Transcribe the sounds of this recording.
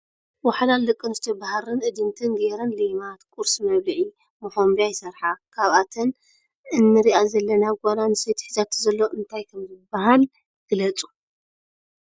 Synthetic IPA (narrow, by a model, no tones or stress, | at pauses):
wɐħalald̪ɨkʼːɨnzɨt̪ʰɐbahɾɨnʔɨd̪ɨnt̪ʰɨnɡeɾɐnlimat̪kʼuɾsmɐβlɨʕi | moħombijajɪsɐɾħakʰaβʔat̪ʰɐn | ʔɨnːɨɾiʔazɐlːɐnaɡʷaɾanɨset̪ʰħɨzat̪zɐlːo̞ʔɨnt̪ʰajkʰɐmzɨbaɦal | ɡ̥ɨlɐt͡sʼu